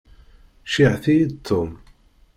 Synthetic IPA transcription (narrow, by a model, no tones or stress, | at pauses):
ʃiʕθijit̪ʰːʊm